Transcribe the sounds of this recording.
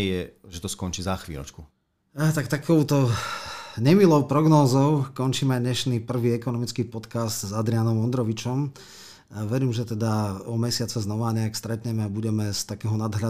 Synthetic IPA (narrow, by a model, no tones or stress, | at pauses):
jɛʒɛt̪ɔskɔnt͡ʃiːzaxʋḭːlɔ̰t͡ʃku | t̪ak̚t̪akʰɔʊt̪ɔ | ɲɛmilɔʊpɾɔɡnɔːzɔʊkɔɲt͡ʃiːmɛajɲɛʃniːpr̩ʋiːɛkɔnɔmit͡skiːpɔt̪kast̪zad̪ɾianɔmɔnd̪ɾɔʋit͡ʃɔm | ʋɛɾiːmʒɛt̪ɛd̪aɔmɛsɪat͡sɛznɔʋaːɲɛakst̪ɾɛt̪ɲɛmɛabuɟɛmɛst̪akɛːɦɔnad̪ɦʎa